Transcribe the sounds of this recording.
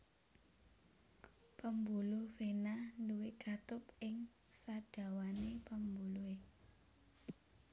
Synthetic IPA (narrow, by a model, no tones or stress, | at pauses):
pəmbulʊhfenanduwɪɡ̥a̤t̪ʊpɪŋ | saɖ̥ä̤wanepəmbulue